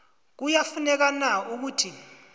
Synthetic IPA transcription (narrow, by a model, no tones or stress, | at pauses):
k̬ujafunɛk̬anauk̬utʰi